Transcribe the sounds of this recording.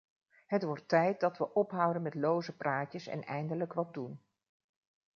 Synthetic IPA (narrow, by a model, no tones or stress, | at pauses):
ɦətʋɔɹtɛjt̚dɑtʋəʔɔpɦʌwdənmɛtlowzəpraːcəsɛ̰nɛjndələkʋɑt̚dun